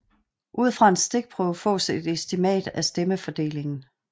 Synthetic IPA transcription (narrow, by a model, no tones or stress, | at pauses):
ʔuð̞̰ˠfʁɑ̈e̝nsd̥e̝ɡ̥̚pʰʁœːʊfɔ̰̽ːse̝d̥esd̥imɛ̰ːd̥æsd̥eməfɒ̽d̥e̝̰ːle̝ŋn̩